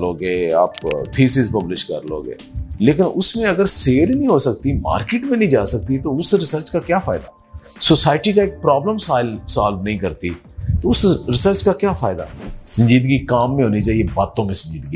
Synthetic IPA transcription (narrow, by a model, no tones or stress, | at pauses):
loːɡeːa̰ːpt̪ʰiːsiːzpɐblɪʃkə̰ɾlo̰ːɡḛːleːkɪnʊsmẽɐɡəɾseːlnɦĩɦosəkt̪ima̰ːɾkɪːʈmẽnə̃ĩd͡ʒaːsək̚t̪it̪oʊsɾɪsəɾt͡ʃkakjaːfʰaːɪd̪aː | soːsaːɪʈikaeːk̚pɾaːbləmsaːɪlsaːlnɐɦĩkɐɾt̪i | t̪oʊsɾɪsəɾt͡ʃkakjaːfʰaːɪd̪a̰ːsə̃ɲd͡ʒiːd̪ɡikaːmːẽɦoːnit͡ʃaːiebaːt̪õmẽsə̃ɲd͡ʒiːd̪ɡi